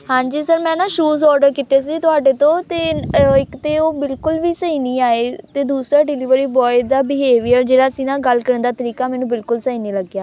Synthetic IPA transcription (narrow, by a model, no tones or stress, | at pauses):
ɦãːɲd͡ʒiːsəɾmɛ̃ːnãːʃuːzɔːɾɖəɾkiːt̪eːsiːt̪ʊaːɖeːt̪õːt̪eːɪkt̪eːoːbɪlkʊlʋiːsəiːnĩːaːeːt̪eːd̪uːsɾaːɖɪliːʋɾiːbɔːɪd̪aːbɪɦeːʋiːəɾd͡ʒeːɽaːsĩːnãːɡəlkəɾə̃nd̪aːt̪əɾiːkaːmɛːnũːbɪlkʊlsəiːniːləɡjaː